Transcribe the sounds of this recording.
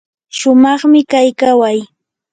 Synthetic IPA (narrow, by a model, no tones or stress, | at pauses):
ʃʊmɑχmɪkajkawaj